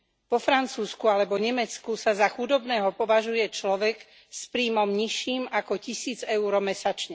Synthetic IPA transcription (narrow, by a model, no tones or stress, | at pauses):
ʋɔfɾant͡suːskualɛbɔɲɛmɛt͡skusazaxud̪ɔbnɛːɦɔpɔʋaʒujɛt͡ʃlɔʋɛɡ | spɾiːmɔmɲiʃiːmakɔcisiːd͡zɛʊɾɔmɛsat͡ʃɲɛ